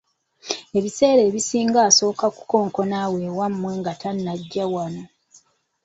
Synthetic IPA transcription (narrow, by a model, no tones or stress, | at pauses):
e̞βise̞ːɾe̞ːβisiːŋɡaːso̞ːkaku̥ko̞ːŋko̞naːwe̞ːwamːwe̞ŋɡatanːaɟːawano̞